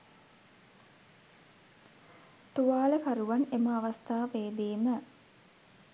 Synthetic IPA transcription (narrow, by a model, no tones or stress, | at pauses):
t̪uʋaːləkaɾuʋaneməaʋast̪aːʋeːd̪eːmə